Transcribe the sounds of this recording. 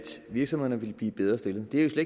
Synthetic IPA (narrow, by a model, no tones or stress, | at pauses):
d̥ʋiɐɡ̥sɒmh̝ð̰ˠɐnəʋe̝lb̥liːb̥eð̞ˠʁɐsd̥e̝lð̩ˠd̥e̝æjo̝sle̥